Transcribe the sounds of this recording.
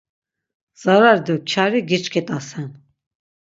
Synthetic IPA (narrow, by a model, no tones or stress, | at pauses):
z̥aɾaɾd̪ut͡ʃʰaɾiɡit͡ʃkʰit̪ʼasɛn